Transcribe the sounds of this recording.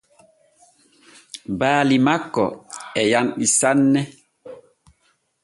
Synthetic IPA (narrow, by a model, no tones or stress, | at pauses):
baːlimakːɔ̰ɛjanɗisanːɛ